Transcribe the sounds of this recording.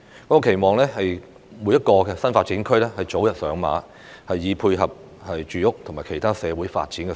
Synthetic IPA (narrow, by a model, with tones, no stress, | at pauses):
kɔː˨˥kɔː˧kʰe˨˩jmɔː˨˩ŋlɛː˥hɐ˨j | mu˨˥jɐ˥t̚kɔː˧kɛ˧sɐ˥nfaː˧t̚t͡siː˨˥nkʰɵ˥lɛː˥hɐ˨jt͡so˨˥wjɐ˨t̚sœː˨˥ŋma̰ː˨˥ | hɐ˨jːiː˨˧pʰuː˧jɦɐ˨p̚ | hɐ˨jt͡ʃyː˨jʊ˥k̚t̪ʰʊ˨˩ŋmaː˨˩jkʰe˨˩jt̪ʰaː˥sɛː˨˧wuː˨˥jfa̰ː˧t̚t͡siː˨˥nkɛ˧